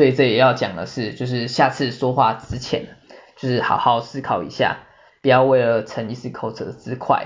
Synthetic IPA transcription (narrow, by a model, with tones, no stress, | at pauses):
swe˥˧i˨˩ʈ͡ʂɤ˥˩jɛ˨˩jɑ˥˩ʊt͡ɕjɑ˨˩ŋd̪ə̰˩ʂɻ̩˥˧t͡ɕjo˥˧ʊʂɻ̩˥˧ɕja˥˧t͡sʰɹ̩˥˩ʂwɔ˥xwa̰˥˩t͡sɹɻ̩˥t͡ɕʰjɛ̰˧˥nt͡ɕjo˥˧ʊʂɻ̩˥˩xɑ̰˨˩ʊxɑ˥˧ʊsɹ̩˥˧kʰɑ˨˩ʊḭ˧˥ɕja̰˥˩ | pu˨˩jɑ˥˧ʊwe˥˩ɪlə˩ʈ͡ʂʰə˧˥ni˧sɹ̩˥˩kʰo˨˩ʊʈ͡ʂʰɤ̰˧˥d̪ə˨t͡sɹ̩˥kʰwa̰˥˩ɪ